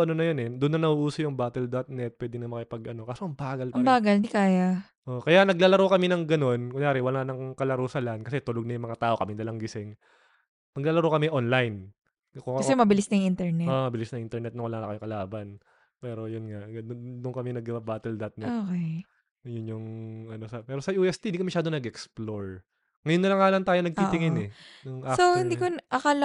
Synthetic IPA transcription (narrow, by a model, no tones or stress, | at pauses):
ʔɐnonɐjonɛd̪ʊnːɐnɐhuʔuːsɐjʊŋbaːt̪ɛld̪ɐt̪̚nɛt̪̚pwɛːd̪ɪnɐmɐkɪpɐɡʔɐno̞kaːsoʔɐŋbaːɡɐlɐbaːɡɐld̪ikaːjɐ | ʔoʔkɐjanɐɡlaːlɐɾokɐmɛnɐŋɡɐno̞nkʊŋjaːɾɪwɐlanɐŋkɐlɐɾosɐlankɐsɛt̪ʊloɡ̚nɐjʊŋmɐŋat̪aːʔo̞kɐmɪnlɐlɐŋɡɪsɪŋ | nɐɡlaːlɐɾokɐmɛʔonlajn | kokɐsɛmɐbɪlɪsnɐjŋɪnt̪ɛɹnɛomɐbɪlɪsnɐŋɪnt̪ɛɹnɛt̪̚ʊŋwɐlaːnɐkɐjʊŋkɐlaːbɐn | pɛːɾo̞jʊnŋaʔɡɐd̪d̪ʊŋkɐmɛŋnɐɡ̚ɐbɐbaːt̪ɛld̪ɐt̪̚nɛokɛj | jʊnjʊŋɐno̞sɐpɛːɾosɐʔuːʔɛst̪ind̪ikɐmɐʃaːd̪onɐɡʔɛksploɹ | ŋɐjonːɐlɐŋːaːlaŋt̪aːjonɐɡ̚t̪ɪʔ̪ɪŋɪnɛnʊŋʔasohɪ̃nd̪ikoʔɐkɐl